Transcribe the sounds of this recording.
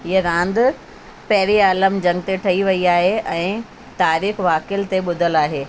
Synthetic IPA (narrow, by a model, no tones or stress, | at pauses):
ɦiəɾãːnd̪ | pɐɦɪɾiaːləmd͡ʑɐ̃ŋɡt̪eʈʰɐiʋɐiaːɦeɛ̃ː | t̪aːɾiːxʋaːkɪəlt̪eɓʊd̪ʱəlaːɦeː